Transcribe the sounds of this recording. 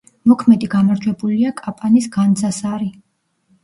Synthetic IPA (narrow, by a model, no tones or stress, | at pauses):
mɔkʰmɛd̪iɡamaɾd͡ʒwɛbuliakʼapʼanisɡand̪zasaɾi